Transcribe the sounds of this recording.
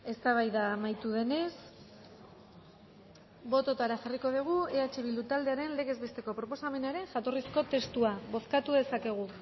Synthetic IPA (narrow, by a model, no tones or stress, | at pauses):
e̞st̪aβ̞ajðamajt̪uð̞e̞ne̞s | bo̞t̪o̞t̪aɾaxariko̞ðiɣ̞ue̞at͡ʃe̞βild̪ut̪ald̪e̞aɾe̞nle̞ɣe̞zβe̞st̪e̞ko̞pɾopo̞same̞naɾe̞ŋʝat̪o̞risko̞t̪e̞st̪uaβo̞θkat̪uð̞e̞sake̞ɣ̞u